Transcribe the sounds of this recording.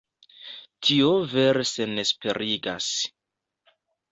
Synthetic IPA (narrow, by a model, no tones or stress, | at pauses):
tʰiove̞ɾese̞ne̞spe̞ɾʔiɡa̰s